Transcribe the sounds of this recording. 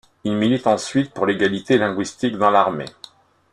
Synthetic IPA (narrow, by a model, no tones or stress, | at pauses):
ilmilit̪ɑ̃sɥit̪̚puʁleɡalit̪elɛ̃ɡwist̪ikd̪ɑ̃laʁmḛ